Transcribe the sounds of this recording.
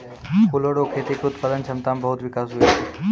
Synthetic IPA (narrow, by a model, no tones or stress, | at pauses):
kʊloɽokʰeːt̪ekeʊt̪paːd̪ənt͡ʃʰɐmt̪aːmbɐɦʊt̪ʋɪkaːsɦuie